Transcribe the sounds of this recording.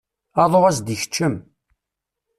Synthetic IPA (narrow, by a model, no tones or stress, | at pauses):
ɑðˤoʁæsd̪içə̥t͡ʃːəm